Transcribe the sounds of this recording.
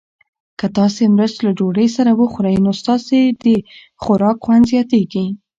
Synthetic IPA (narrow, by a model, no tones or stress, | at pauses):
kət̪ɑsemɾəst̪lad͡ʒoɽəjsaɾawəxuɾajnost̪ɑsed̪ə | xʊɾɑkxwand̪zjɑt̪eɡi